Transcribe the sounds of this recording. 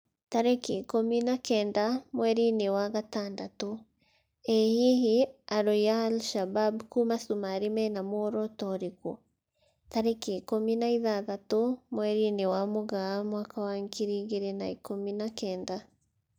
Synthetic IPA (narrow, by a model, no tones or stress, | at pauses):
taɾekeːkominakɛːndamwɛɾinewaɣataːndato | ehiɦiaɾojaːlʃababkumasumaɾimɛnamoɾɔtɔɾiko | taɾekekominaiðaðatomwɛɾinewamoɣaːmwakawaŋkiɾiɣeɾenaikominakɛːnda